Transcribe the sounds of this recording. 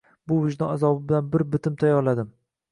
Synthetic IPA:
bʊvɪʒd̪ɒazɒbɪbɪlanbɪɾbɪt̪ʰɪmt̪ʰajɒɾlad̪ɪm

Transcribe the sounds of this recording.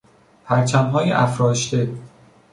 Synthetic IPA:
pʰæɾt͡ʃʰæmɦɒːjeʔæfɾɒːʃd̪e

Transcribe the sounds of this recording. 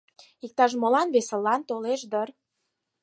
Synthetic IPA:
ik̚t̪ɑʃ̬molɑnβesəlːɑnt̪oleʃd̪ər

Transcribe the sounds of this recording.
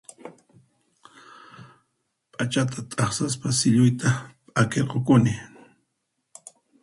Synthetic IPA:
pʼat͡ʃat̪ʰat̪ʼɑχsaspasɪʎʊjt̪apʼakeɾqokʊnɪ

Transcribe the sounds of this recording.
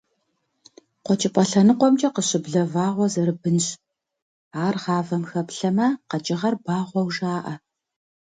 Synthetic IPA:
qʷɔt͡ʃʼɪpʼɐɬɐnɨqʷɔmt͡ʃʼɐqəɕʼɪbɮɐvaːʁʷɔzɐɾɨbɨnɕ | aːrʁɑːvɐmxɐpɬɐmaːqɐt͡ʃʼɪʁɐrbaːʁʷɔwʒaːʔɐ

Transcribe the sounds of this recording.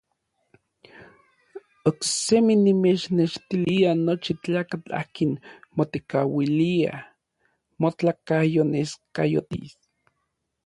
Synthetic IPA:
okseminimet͡ʃneʃt̪ilianot͡ʃit͡ɬaːkat͡ɬa̰hkinmot̪ekawilia̰ | mot͡ɬakajoneskajo̰t̪ḭs

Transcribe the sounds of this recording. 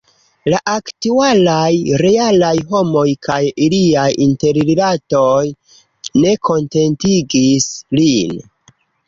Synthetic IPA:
laʔaktualajɾe̞alajɦo̞mo̞jkʰajiliajinte̞ɾililato̞j | ne̞kʰo̞nte̞ntiɡislin

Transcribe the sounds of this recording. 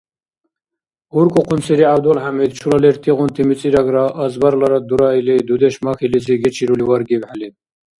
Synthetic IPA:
uɾkʼɔqʰunsʰiɾiawd̪ɔlħamid̪t͡ʃʰulalɛɾt̪ʼiʁunt̪ʰimit͡sʼiɾaɡɾaʔːzbaɾlaɾad̪uɾailɛd̪ud̪ɛʃmakʰiliziɡɛt͡ʃʰiɾulivaɾɡibħalɛd̪

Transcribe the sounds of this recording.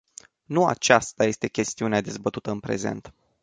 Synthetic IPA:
nua̰t͡ʃast̪aje̞st̪e̞kʲe̞st̪iunead̪e̞zbət̪ut̪əɨnpɾe̞̰zḛnt̪

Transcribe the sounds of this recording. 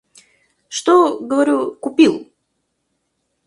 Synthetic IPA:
ʂt̪oɡəvɐɾʲukʊpʲilˠ

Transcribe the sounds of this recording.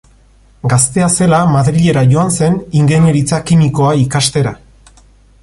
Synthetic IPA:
ɡast̪e̞ase̞lamaðɾiʎe̞ɾaʝo̞anse̞niŋɡe̞ɲe̞ɾit͡sakimiko̞aikast̪e̞ɾa

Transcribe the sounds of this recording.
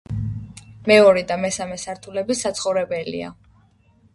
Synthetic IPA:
mɛɔɾɛd̪amɛsamɛsaɾt̪ʰulɛbisat̪sʰχɔvɾɛbɛlḭa̰

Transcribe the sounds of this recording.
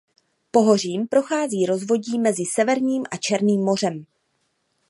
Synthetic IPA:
po̞ɦo̞r̝iːmpɾo̞xaːziːɾo̞zvo̞ɟiːmɛzɪsɛvɛɾɲiːmʔat͡ʃɛɾniːmːo̞r̝ɛm

